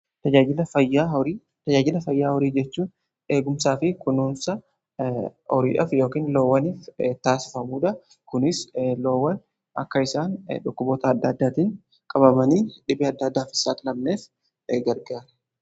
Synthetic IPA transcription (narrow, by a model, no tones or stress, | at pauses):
t̪ɐd͡ʒaːd͡ʒɪlɐfɐjːaːɔɾiː | t̪ɐd͡ʒaːd͡ʒɪlɐfɐjːaːhɔɾiːd͡ʒɛt͡ʃːuːn | e̞ːɡʊmsaːfɪkʊnuːnsɐ | ɔɾiːᶑɐfjo̞ːkiːnlo̞ːwːɐniːft̪aːsɪ̥fɐmuːᶑ̪ɐ | kʊnɪslo̞ːwːɐn | ʔɐkːɐɪsaːnᶑʊkːʊboːt̪ɐːd̪ːɐːd̪ːaːt̪iːŋ | kʼɐbɐmɐniːᶑɪbɪɐd̪ːɐːd̪ːaːfɪ̥saːt̪ɪlɐbneːf | ɡɐɾɡaːɾɛ̥